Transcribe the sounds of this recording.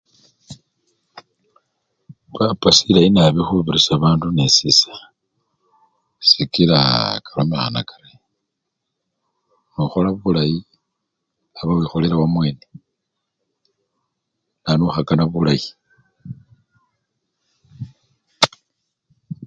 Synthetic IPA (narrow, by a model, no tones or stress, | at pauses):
βapasilajinaβixuβiɾisaβaːndunesisḁ | sikiɾakʰalomexa̰na̰kʰḁɾe | nuxolaβulaji | aβawixo̞leɾawamwe̞ːne | nanuxakanaβulaji